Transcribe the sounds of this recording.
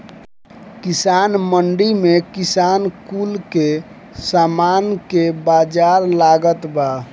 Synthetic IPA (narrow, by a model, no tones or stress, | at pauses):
kisanməɳɖimekisankulke | samankebad͡ʒaɾlaɡət̪ba